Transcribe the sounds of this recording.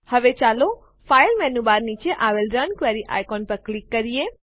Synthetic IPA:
həʋet͡ʃalo | fajlmɛnubaɾnit͡ʃeʔaʋelɾənkʋeɾiʔa̰jkɔnpəɾklikːəɾie

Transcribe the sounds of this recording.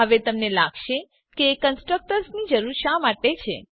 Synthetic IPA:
ɦəʋet̪əmnelaɡʃe | keːkənsʈɾək̚ʈəɾsnid͡ʒəɾuɾʃamaʈet͡ʃʰḛ

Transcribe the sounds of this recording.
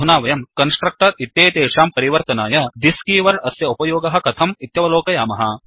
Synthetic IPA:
unaːʋɐjɐmkɐnsʈɾɐk̚ʈɐɾit̪jeːt̪eːʃaːmpɐɾiʋɐɾt̪ɐnaːjɐd̪iskiːʋɐɾɐsjɐupɐjoːɡɐɦɐ̆kɐt̪ʰɐmit̪jɐʋɐloːkɐjaːmɐɦɐ

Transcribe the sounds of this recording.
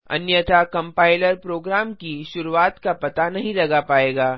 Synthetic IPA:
ɐ̰njət̪ʰakɐ̃mpaːɪləɾpɾoːɡɾaːmkiʃʊɾuaːt̪kapɐt̪anɐɦĩlɐɡapaːeːɡaː

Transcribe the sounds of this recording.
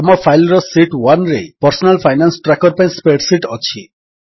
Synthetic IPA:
ɔmɔpʰajlɾɔsiʈwanɾḛpɔɾsɔnalpʰajnansʈɾakɔɾpaĩspeʈsiʈɔt͡ʃʰi

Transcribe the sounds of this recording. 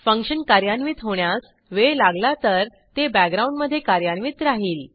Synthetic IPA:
fəŋkʂənkaɾjanʋit̪ɦoɳjas | ʋelaɡlat̪əɾ | t̪ebæɡɾauɳɖməd̪ʱːjekaɾjanʋiːt̪ɾaɦiːl

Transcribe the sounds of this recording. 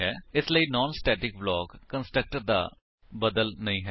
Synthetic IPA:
ɦɛːɪsləiːnɔːnsʈɛːʈɪk̚blɔːkːənsʈɾək̚ʈəɾd̪a̰ː | bəd̪əlnəĩːɦɛː

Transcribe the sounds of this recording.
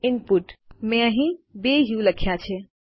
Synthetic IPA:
ɪnpuʈmẽəɦĩbeɦiũləkʰːjat͡ʃʰe

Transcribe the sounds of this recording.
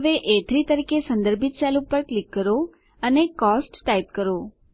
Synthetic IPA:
ʋeʔet̪ʰɾit̪əɾikesə̃nd̪əɾbʱit̪̚t͡ʃɛlupəɾklikːəɾo | ənekɔsʈʈaip̚kəɾo

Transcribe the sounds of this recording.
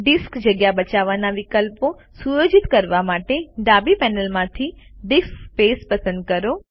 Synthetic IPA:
ɖiskd͡ʒəɡjabət͡ʃaʋanaʋikəlpo | sujod͡ʒit̪kəɾʋamaʈeɖabipɛnəlmãt̪ʰiɖiskpespəsə̃nd̪̚kəɾo

